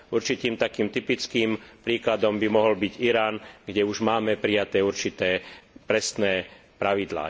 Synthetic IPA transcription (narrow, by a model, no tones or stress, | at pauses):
uɾt͡ʃit̪iːmt̪akiːmt̪ipit͡skiːmpɾiːklad̪ɔmbimɔɦɔlbiɟiɾaːnɡɟɛuʒmaːmɛpɾijat̪ɛːuɾt͡ʃit̪ɛːpɾɛsnɛː | pɾaʋid̪la̰ː